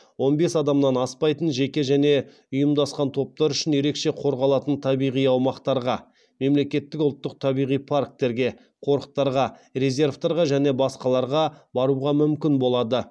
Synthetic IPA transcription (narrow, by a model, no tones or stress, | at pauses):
wo̞nbe̞sɑd̪ɑmnɑnɑspɑjt̪ənʒe̞kʲe̞ʒæne̞ | ʊjəmd̪ɑsqɑnt̪ʰo̞p̚t̪ɑɾʏʃɪnje̞ɾe̞kʃe̞qʰo̞ɾʁɑlˠɑt̪ənt̪ʰɑbijʁijɑwmɑqt̪ɑɾʁɑ | me̞mle̞kʲe̞t̪ːɪkʊlˠt̪ːəq̚t̪ʰɑbijʁijpʰark̚t̪e̞ɾɡʲe̞ | qʰo̞ɾəq̚t̪ɑɾʁɑrʲezʲe̞ɾvt̪ɑɾʁɑʒæne̞bɑsqɑlˠɑɾʁɑbɑɾuʁɑmʏmkʲɪnbo̞lˠɑd̪ə